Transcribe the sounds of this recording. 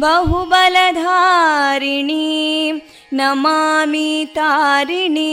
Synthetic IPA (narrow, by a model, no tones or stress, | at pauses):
bɐɦubɐlɐd̪ʱaːɾiɳi | nɐmaːmit̪aːɾiɳi